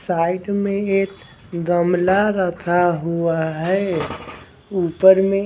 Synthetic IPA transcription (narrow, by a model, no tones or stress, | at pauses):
saɪɖmẽet̪ | d̪əmlaɾət̪ʰaɦuaɦɛ | upəɾme